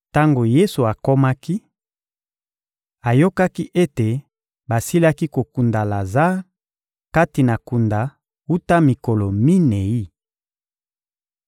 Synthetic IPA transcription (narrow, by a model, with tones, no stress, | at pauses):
ta˦ŋɡo˨je˦su˨a˨ko˦ma˦ki˦ | a˨jo˦ka˦ki˦ʔe˦te˨ | ba˨si˦la˦ki˦ko˨ku˨nda˨la˨za˦ | ka˦ti˨na˨ku˨nda˨ | u˦ta˦mi˨ko˨lo˨mi˦ne˨i˦